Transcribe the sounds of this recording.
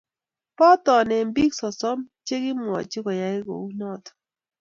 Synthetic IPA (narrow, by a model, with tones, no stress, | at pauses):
pɔ˦tɔ˨nɛ˨m˦bi˦ksɔ˨sɔ˦mt͡ʃe˦ɡɪ˦m˨ɔ̰˨t͡ʃɪ˦kɔ˨ja˨˦ɪ˦ɡo̰˨u˦nɔ˦˨tɔ̥˨